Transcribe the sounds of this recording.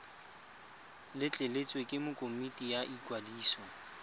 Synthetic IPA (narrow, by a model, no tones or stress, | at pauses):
lɪt͡ɬʼelet͡sʼwekʼɪmʊkʼomitʼijaʔikʼwadiːsɔ